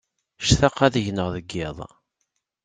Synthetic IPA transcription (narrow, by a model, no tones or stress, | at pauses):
ʃθɑqːæðəʝnəʁðəɡːɪðˤ